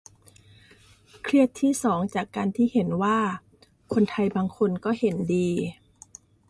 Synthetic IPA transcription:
kʰɾi˥˩ət̪ʰːiː˥˩sɔː˩˦ŋt͡ɕaː˨˩kːaː˧nt̪ʰiː˥˩he˩˦nwaː˥˩ | kʰo˧nt̪ʰa˧jbaː˧ŋkʰo˧nkɔː˥˩he˩˦ndiː˧

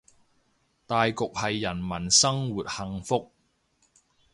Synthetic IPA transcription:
t̪aː˨jkʊ˨k̚hɐ˨jːɐ˨˩nmɐ˨˩nsɐ˥ŋwuː˨t̚hɐ˨ŋfʊ˥k̚

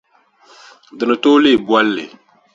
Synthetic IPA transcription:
dɨ˨nɨ˨to˦le˦˨bwa˦lːɪ̰˨

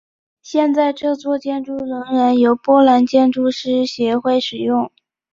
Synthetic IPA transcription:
ɕjɛ˥˧nt͡sa˥˧ɪʈ͡ʂɤ˥˧t͡swɔ˥˧t͡ɕjɛ˥˧nʈ͡ʂu˥˩ɻə˧˥ŋɻə˧˥njo˧˥ʊpwɔ˥la˧˥nt͡ɕjɛ˥˧nʈ͡ʂu˥˧ʂɻ̩˥ɕjɛ˧˥xwe˥˩ɪʂɻ̩˨˩jʊ˥˩ŋ

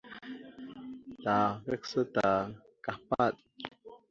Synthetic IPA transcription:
ta˨vɛ˦k̚sə˦ta˨ | ka˨pa˦˨t̚

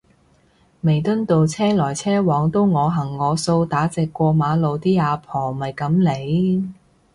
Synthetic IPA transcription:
me˨˩jt̪ɵ˥nt̪o˨wt͡sʰɛː˥lɔː˨˩jt͡sʰɛː˥wɔː˨˥ŋt̪o˥wŋɔː˨˧ɦɐ˨˩ŋːɔː˨˧so˧wt̪aː˨˥t͡sɛː˨kːʷɔː˧maː˨˧˥lo˨˧wt̪iː˥aː˨˧pʰɔː˨˩mɐ˨˩jkɐ˨˧˥mle˨˥j

